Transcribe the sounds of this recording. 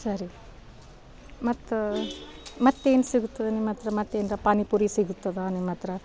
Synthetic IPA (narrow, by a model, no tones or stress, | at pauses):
sɐɾi | mɐt̪ː | mɐt̪ːe̞ːnusiɡut̪ːɐd̪enimːɐt̪ɾɐmɐt̪ːeːnd̪ɐpaːnipuːɾisiɡut̪ːɐd̪aːnimːɐt̪ɾɐ